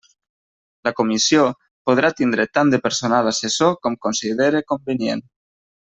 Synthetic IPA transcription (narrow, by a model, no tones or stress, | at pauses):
lakomisio | poð̞ɾat̪ind̪ɾet̪and̪epeɾsonalasesokɔmkonsiðeɾekombenjḛn